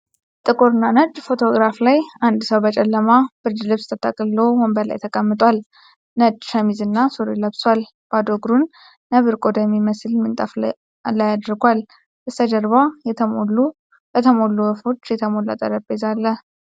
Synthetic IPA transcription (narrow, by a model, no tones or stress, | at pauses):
t̪ʼɨkʼuɾɨnanəd͡ʒfo̞t̪ʰo̞ɡɾaflajand̪səwbət͡ʃʼɛlːəmab̥ɨɾd͡ʒ̪lɨβst̪ʰət̪ʼakʼɨlowɔmbəɾla̰jt̪ʰəkʼəmːɨt̪ʼwal | nəd͡ʒʃəmizɨnːasuɾeləβswal | b̥ad̪oɡɾunː | əβɨɾkʼod̪əmiməsɨlmɨnt̪ʼəf | lajad̪ɾɡʷwal | ʔɨst̪ʰəd͡ʒəɾβalu | bət̪ʰəmolːuwəfo̞t͡ʃːjɛt̪ʰəmo̞la̰t̪ʼə̰ɾəbezalːəh